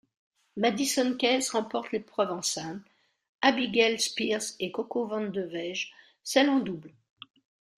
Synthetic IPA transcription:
mad̪isɔnkʲɛsʁɑ̃pɔʁt̪lepχœvɑ̃sɛ̃bl | abiɡɛlspiʁsekɔkovɑ̃nd̪əvɛʒ | sɛlɑ̃d̪ubl

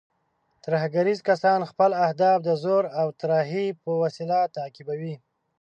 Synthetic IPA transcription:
t̪ɾahaɡaɾizkasɑnxpəlahd̪ɑfd̪əzoɾawt̪ɾɑɦipəwasilat̪akɪbawi

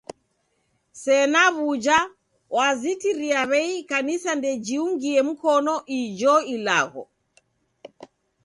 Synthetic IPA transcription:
sɛnaβud͡ʒa | wazitiɾiaβɛikanisandɛd͡ʒiuŋɡiɛm̩kɔnɔʔid͡ʒɔila̰ɣɔ̰

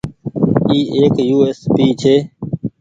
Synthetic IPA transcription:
iːʔeːkjuːeːspiːt͡ʃʰeː

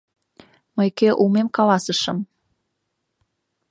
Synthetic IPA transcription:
məjkeʔumemkɑlɑsəʃɤ̆m

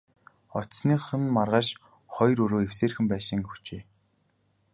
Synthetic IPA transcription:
ɔt̪sniːχə̆nmarʁaːʃ | χɔjɾɵɾoːewseːrxɘ̆mpæːʃĭŋxut͡ɕeː

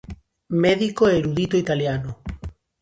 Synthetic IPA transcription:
mɛðikoeeɾuðit̪oit̪aljano

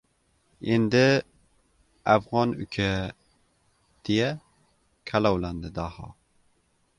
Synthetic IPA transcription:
end̪ɪ | æfʁɑnykʲʰɛ | d̪̥ejɛ | kʲʰælˠɑwlænd̪ɪd̪ɑhɑ̰

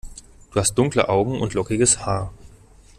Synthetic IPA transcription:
d̥uːhast̚d̥ʊŋklə̰ʔaʊɡŋ̩ʊ̰ntlɔkɪɡəshaːɐ

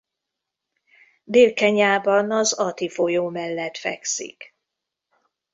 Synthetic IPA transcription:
d̪eːlkɛɲaːbɒnɒzɒt̪ifo̞joːmɛlːɛt̪fɛ̰ksḭk

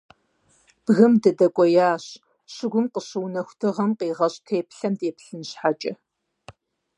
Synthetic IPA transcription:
b̥ɣɨmdɐdɐkʷʼɔjaːɕ | ɕɪɡʷʊmqəɕɨwnɐxʷtʰɨʁɐmqiːʁɐɕʼtʰeːpɬɐmdeːpɬɨnɕħat͡ʃʼɐ

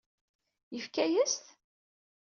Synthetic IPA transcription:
jəfkæjəst̪

